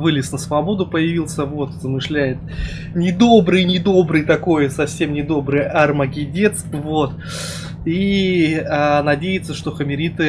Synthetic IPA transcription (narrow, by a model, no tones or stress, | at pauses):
vɨlʲɪsnəsvɐbo̞d̪ʊpəjɪvʲilˠsʲəvo̞t̪zəmɨʂlʲæjɪt̪̚ | nʲɪd̪o̞bɾɨjnʲɪd̪o̞bɾɨjt̪ɐko̞jsɐfsʲe̞mnʲɪd̪o̞bɾɨjɐrməɡʲɪdʲe̞t̪st̪vo̞t̪ | i | anɐdʲejɪt̪səʂt̪o̞xəmʲɪɾʲit̪ɨ